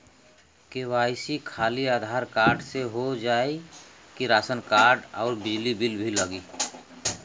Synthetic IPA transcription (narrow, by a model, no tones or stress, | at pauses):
kewaːɪsikʰaːliaːd̪ʱaːɾkaːɾɖseɦod͡ʒaːe | kiɾaːsənkaːɾɖɔːɾbɪd͡ʒlibilbʱiləɡiː